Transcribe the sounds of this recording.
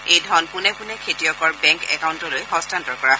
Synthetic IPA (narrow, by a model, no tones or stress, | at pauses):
ejdʱɔnpʊnɛpʊnɛkʰetijɔkɔɹbɛŋkɛ̰kawuntɔlojɦɔstantɔɹkɔɹa